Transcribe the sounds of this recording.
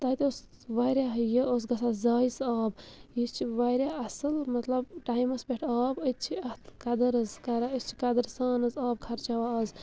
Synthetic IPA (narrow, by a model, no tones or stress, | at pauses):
t̪ɐt̪eos | ʋajɾjaɦəjəos̬ɡɐsazaːjsaːbjist͡ʃʰiʋaɾjaɐsɨlmɐt̪lɐbʈaːjmɐsbeʈʰaːbət̪̚t͡ʃʰiɐht̪ʰkɐd̪ɐɾɐzkɐɾaəst͡ʃʰi̥kɐd̪əɾsaːnɨzaːb̚kʰɐɾt͡ʃaʋaɐz